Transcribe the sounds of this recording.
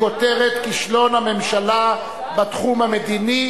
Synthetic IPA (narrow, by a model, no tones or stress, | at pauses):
o̞teʁet̪kiʃlo̞nhame̞mʃala | bat̪χumamed̪ini